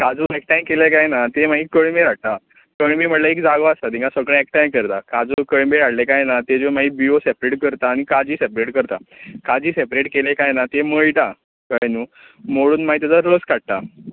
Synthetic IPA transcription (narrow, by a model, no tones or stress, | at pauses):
kad͡zũːek̚ʈajmkelekajnat̪emaɦiːkəɳmeɾaɽ̚t̪a | kəɳmiːm̤əʈlaekd͡zaɡoasat̪ĩŋkãsəkɭẽek̚ʈajmkəɾt̪akad͡zukəɭmeɾaɽlekajnat̪ed͡ʑomaɦiːbiosepɾeʈkəɾt̪aːñikad͡ʑiːsepɾeʈkəɾt̪akad͡ʑiːsepɾeʈkelekajnat̪eməɭʈ̪a | kəjnuː | moɽuːnmaɦit̪jat͡saɾəskaɽ̚t̪a